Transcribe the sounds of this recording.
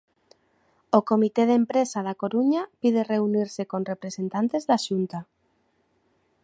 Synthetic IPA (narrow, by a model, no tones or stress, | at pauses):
okomit̪eð̞empɾesaðakoɾuɲapið̞ereuniɾsekonrepɾesent̪ant̪ezðaʃunt̪a